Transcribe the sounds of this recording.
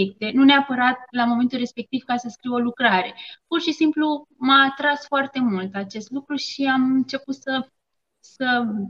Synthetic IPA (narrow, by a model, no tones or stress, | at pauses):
ek̚t̪e̞nuneapəɾat̪̚lamo̞me̞nt̪ulre̞spe̞k̚t̪iv̥kasəskɾiwo̞lukɾaɾe̞purʃisimplumaːt̪ɾasfoart̪e̞mult̪at͡ʃe̞st̪lukɾuʃiamɨnt͡ʃe̞put̪sə | sə